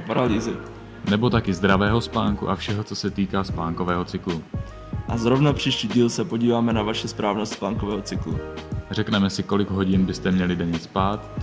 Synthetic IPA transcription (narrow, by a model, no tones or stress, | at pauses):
paɾaliːzɪ | nɛbo̞t̪akɪzd̪ɾavɛːɦo̞spaːŋkṵʔafʃɛɦo̞t͡so̞sɛt̪iːkaːspaːŋko̞vɛːɦo̞t͡sɪklu | ʔazɾo̞vnapr̝̥iːʃciːɟiːlsɛpoɟiːvaːmɛnavaʃɛspɾaːvnost̪spaːŋkovɛːɦot͡sɪklṵr̝ɛknɛmɛsɪko̞lɪɡɦo̞ɟɪnbɪst̪ɛmɲɛlɪdɛɲɛspaːt̪